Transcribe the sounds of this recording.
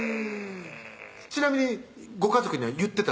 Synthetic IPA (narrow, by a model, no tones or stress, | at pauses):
t͡ɕinamʲiɲ̟i | ɡo̞kazo̞kɯ̟ɲ̟iβajɯ̟t̪ːe̞t̪a